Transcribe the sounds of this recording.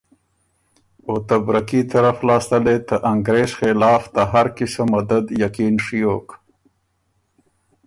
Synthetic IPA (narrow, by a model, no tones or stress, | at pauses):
ot̪abɾakit̪ɐɾaflɑːst̪əlet̪əʔaŋɡɾeːzxelɑːft̪aɦaɾkisamɐd̪ad̪jakiːnʂijoːk